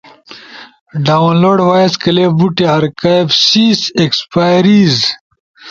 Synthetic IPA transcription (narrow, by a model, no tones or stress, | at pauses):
ɖaːwnloːɖwaːiskɐlebuʈeɦɐɾkaebsiːsekspaːjɾiːz